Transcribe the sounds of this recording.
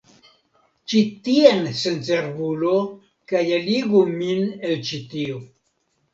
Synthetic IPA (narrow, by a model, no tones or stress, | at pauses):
t͡ʃitiensent͡seɾbulo | kajaliɡuminelt͡ʃitio